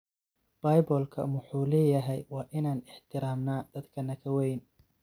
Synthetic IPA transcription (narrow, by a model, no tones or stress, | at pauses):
b̥ɐːjbɔːlkʰɐ̰mʊħuːlɛːjɐɦɛjwɑːʔɪnaːnɪħt̪ʰɪɾaːmnaːd̪̥ɐd̪kʰɐnɐkʰɐwɛjn